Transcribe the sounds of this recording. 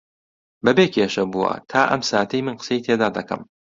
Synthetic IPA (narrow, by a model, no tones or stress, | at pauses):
bɐbeːkʰeʃɐbuwɐ̰t̪ʰaːʔɐ̰msaːt̪ʰɐjmɨnqə̥sɐit̪ʰed̪aːd̪ɐkʰɐ̰m